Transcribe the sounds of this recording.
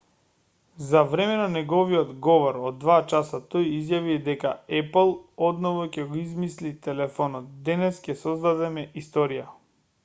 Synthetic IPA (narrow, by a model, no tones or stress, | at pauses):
zavɾɛmɛnanɛɡɔviɔd̪ɡɔvɔɾod̪ːvat͡ʃasat̪ojizjavid̪ɛkaɛplˠɔd̪nɔvɔcɛɡoizmislit̪ɛlɛfɔnɔt̪̚d̪ɛnɛscʲɛsɔzd̪ad̪ɛmɛist̪ɔɾija